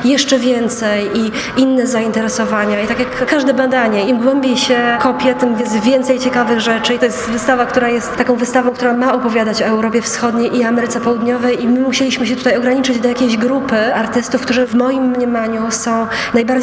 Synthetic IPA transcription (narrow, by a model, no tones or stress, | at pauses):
jɛʂt͡ʂɛvʲjɛnt̪sɛji | inːɛzaint̪ɛɾɛsɔvaɲait̪akʲjakːaʐd̪ɛbad̪aɲɛimɡwɛmbʲiɕɛkɔpʲjɛt̪ɘmvjɛst̪vʲjɛnt̪sɛjt͡ɕɛkavɘɣʐɛt͡ʂɘit̪ɔjɛst̪vɘst̪avakt̪uɾajɛst̪t̪ːakɔ̃w̃vɘst̪avɔ̃w̃kt̪uɾamaɔpɔvʲjad̪at͡ɕɔɛwɾɔpʲjɛfsxɔd̪ɲejʔiamɛɾɘt̪sɛpɔwud̪ɲɔvɛjʔimɘmuɕelʲiɕmɘɕɛt̪u̥t̪ajɔɡɾaɲit͡ʂɘd͡ʑd̪ɔjakʲeʑɡɾupɘaɾt̪ɘst̪ufkt̪uɾɛvmɔjimːɲɛmaɲusɔ̃w̃ | najbaɾd͡ʑ